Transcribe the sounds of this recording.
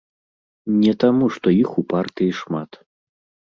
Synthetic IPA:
nʲɛt̪amuʂt̪ɔixupart̪ɨjiʂmat̪

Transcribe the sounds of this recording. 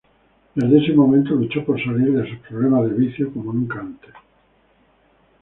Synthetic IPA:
d̪aðesemomẽnt̪olut͡ʃopoɾsaliɾðesupɾoβlemaðeβ̞iθjokomonũŋkaant̪e

